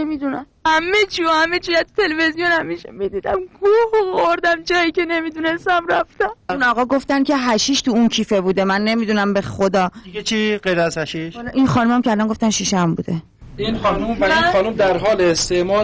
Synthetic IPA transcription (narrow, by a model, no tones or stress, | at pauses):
nemid̪unæmhæmːet͡ʃʰihæmet͡ʃijæt̪u̥t̪ʰelevezijonæmːiʃmbed̪id̪æmɡʰuboɣoɾd̪æmd͡ʒɒːjicʲenemid̪une̞st̪æmɾæft̪æmunɒːɣɒːɡo̞ft̪æncʰʲe̞ɦæʃiːʃt̪uuncʰiːfe̞buːd̪emænːe̞mid̪unæmbe̞xod̪ɒːet͡ʃʰiːɢejɾæzhæʃiʃlʔinxɒːnumæmkʲʰeælɒnŋɡo̞ft̪ænʃiːʃæmbṵːd̪e̞ | inxɒːnumvæixɒːnumd̪æɾɦɒːleest̪eʔmɒː